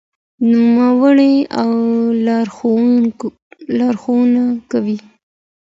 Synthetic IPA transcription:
numawəɽeawɾ | lɑɾxonakawi

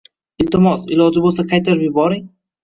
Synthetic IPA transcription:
ɪlt̪ɪmɒsɪlˠɒd͡ʒɪbolˠsakʰajt̪ʰaɾbɪbɒɾɪŋʲ

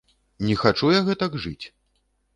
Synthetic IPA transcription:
nʲɛxat͡ʂujaɣɛt̪ɐɡʐɨ̰t͡sʲ

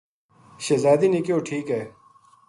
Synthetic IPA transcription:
ɕezaːd̪inikjoːʈʰiːkɦɛː

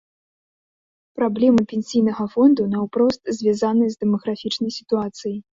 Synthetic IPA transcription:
pɾablʲɛmɨpʲɛnʲsʲijn̪ɐɣɐfɔnd̪unɐwpɾɔst̪zʲvʲazanɨjɐzʲd̪ɛmɐɣɾafʲit͡ʂnɐjsʲi̥t̪uat̪sɨjij

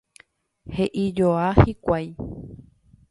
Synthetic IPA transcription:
heʔid͡ʒoahikʷaj

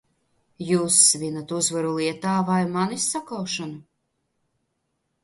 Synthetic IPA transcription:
juːsːvʲinat̪uzvaɾulˠiɛt̪aːvajmanisːakawʃanu

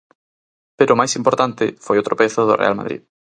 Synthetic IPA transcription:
peɾoʊmajsimpoɾt̪ant̪ɪfojot̪ɾopeθʊðʊ̰rḛa̰lma̰ðɾḭð

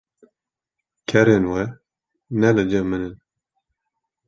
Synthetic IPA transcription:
kʰɛɾenwɛ | nɛlɨd͡ʒɛmɨnɨn

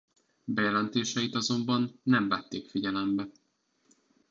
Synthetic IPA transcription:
bɛjɛlɛnt̪eːʃɛjit̪ɒzo̞mbɒnːɛɱvɛt̪ːeːkfiɟɛlɛmbɛ

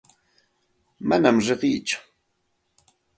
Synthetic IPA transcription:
manamɾeɢiːt͡ʃʊ̥

